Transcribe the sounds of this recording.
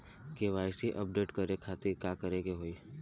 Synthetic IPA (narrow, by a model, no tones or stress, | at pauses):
keʋaːɪsiʔəp̚ɖeːʈkəɾekʰaːt̪ɪkakəɾekeɦoːiː